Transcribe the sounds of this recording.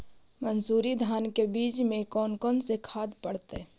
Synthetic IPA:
mənsuːɾid̪ʱaːnkebiːt͡ʃmẽkɔːnkɔːnsekʰaːd̪pəɽ̤t̪e

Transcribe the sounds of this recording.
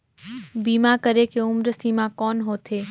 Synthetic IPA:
biːmãkəɾekeʊmɾəst̪iːmãkɔːnɦoːt̪ʰeː

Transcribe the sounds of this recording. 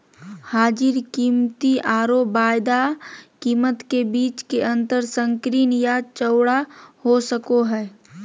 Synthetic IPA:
haːd͡ʒɪɾkiːmt̪iʔaːɾoːbaːjd̪akiːmət̪kebiːt͡ʃkeə̃nt̪əɾsə̃ŋkɾiːnjat͡ʃəʊɽahosəkoɦɛː

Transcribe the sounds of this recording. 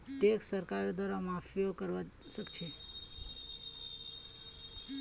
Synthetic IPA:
t̪eksəɾkaɾjod̪ʋaɾamafijokəɾʋa | ʃəkt͡ʃʰe

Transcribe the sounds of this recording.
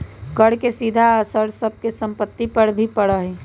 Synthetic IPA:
kəɽkesid̪ʱaəsəɾsəb̚ʱkesə̃mpət̪ːipəɾbʱipəɽəɦi

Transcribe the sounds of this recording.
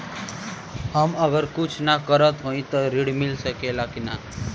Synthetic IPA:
həməɡəɾkut͡ʃʰnakəɾət̪ɦõĩt̪əɾiɽmilsəkelakina

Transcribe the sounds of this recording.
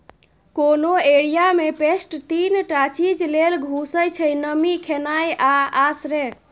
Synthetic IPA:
konoeɽijamepesʈt̪inʈat͡ʃid͡ʒlelɡʱusəjt͡ʃʰəjnəmikʰenajaasɾe

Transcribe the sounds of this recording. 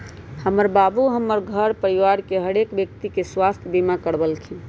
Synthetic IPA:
həməɾbabuɦəmːəɾɡʱəɾpəɾiʋaɾkeɦəɽekbjək̚t̪ikeswast̪ʰjəbimakəɽbəlkʰi

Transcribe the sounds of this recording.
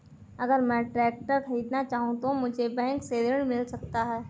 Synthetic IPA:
ɐɡəɾmɛ̃ːʈɾɛːk̚ʈəɾkɐɾiːd̪nat͡ʃaːɦũt̪omʊd͡ʒʱebɛ̃ːŋkseːd̪əɽmɪlsɐk̚t̪aɦɛː

